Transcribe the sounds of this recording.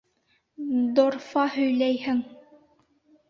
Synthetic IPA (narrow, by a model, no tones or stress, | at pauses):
d̪oɾfɑhɵ̆jlæjhɘŋ